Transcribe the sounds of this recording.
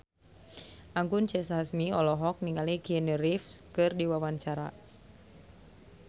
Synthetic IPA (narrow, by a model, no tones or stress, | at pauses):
ʔaŋɡunt͡ʃɛsasmiɔlɔɦɔk̚niŋalikiənəɾifskɨrdiwawaɲt͡ʃaɾa̰